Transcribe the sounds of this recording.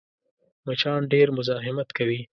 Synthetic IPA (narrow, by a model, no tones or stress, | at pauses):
mat͡ʃɑnɖeɾmʊzɑɦɪmat̪kawi